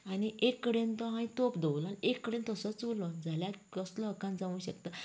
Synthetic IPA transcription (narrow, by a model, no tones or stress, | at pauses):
aniʔekːəɽent̪ɔɦanĩt̪opd̪əʋlaniekːəɽent̪əsɔt͡sulɔnd͡zʱaljaɡəsləkãnd͡zãʋũːɕəkt̪a